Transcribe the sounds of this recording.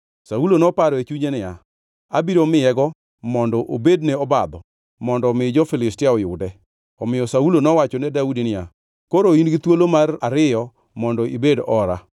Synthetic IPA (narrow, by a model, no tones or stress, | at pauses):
saulonɔpaɾɔet͡ʃuɲenɪja | abiɾomɪjɛɡɔ | mɔndɔʔobedneɔbad̪ɔ | mɔndɔmɪd͡ʒɔfɪlɪstɪaɔjʊ̰dɛ | ɔmɪjɔsaulonɔwat͡ʃɔnɛdaudinɪja | koɾoinɡɪt̪wolomaraɾɪjɔ | mɔndɔibedɔɾa̰